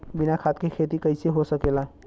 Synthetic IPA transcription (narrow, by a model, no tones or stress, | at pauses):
binakʰat̪kekʰet̪ikəɪseɦosəkelaɦe